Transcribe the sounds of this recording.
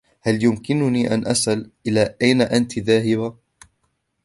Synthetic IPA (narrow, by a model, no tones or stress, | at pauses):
haljʊmkɪnʊniːʔa̰nʔasʔalʔɪlaːʔajnaʔant̪ðaːɦɪba